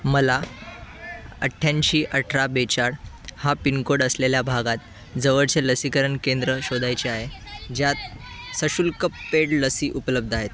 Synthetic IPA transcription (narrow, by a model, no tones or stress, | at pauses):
məla | əʈʰːjaɲɕiːʔəʈʰɾabet͡ɕaɽ | hapinkoɽəsleljabʱaɡat̪̚ | d͡zəʋəɽt͡seləsikəɾəɳkend̪ɾəɕod̪ʱajt͡ɕiaɦe | d͡ʑjat̪̚ | səɕulkəpːeɽləsiːʔupləb̚d̪ʱaɦet̪